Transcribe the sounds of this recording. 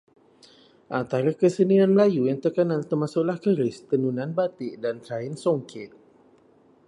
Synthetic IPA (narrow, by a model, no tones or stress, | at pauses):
ʔant̪aɾakəsənianməlajujaŋt̪əkanant̪ərmasʊʔlahkəɾɪst̪ənunãnbat̪ɪʔdant̪ɾaɪnsoŋkʰɪt̪̚